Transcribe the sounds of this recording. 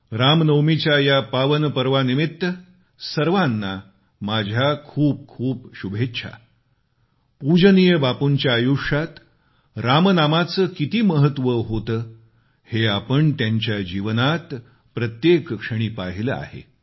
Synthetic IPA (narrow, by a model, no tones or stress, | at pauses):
ɾamnəwmit͡ɕajapaʋənpəɾʋanimit̪ːə | səɾʋanːa | mad͡ʑʱjakʰuːp̚kʰuːpɕubʱetːɕʰa̰ | pud͡ʑənijəbapuɲt͡ɕjaːjuʂat̪ | ɾamnamat͡səːkit̪iːməɦət̪ʋəɦot̪əː | heapəɳt̪jaɲt͡ɕjad͡ʑiʋənat̪ | pɾət̪jekkʂəɽ̃iːpaɦiləa̰ɦḛ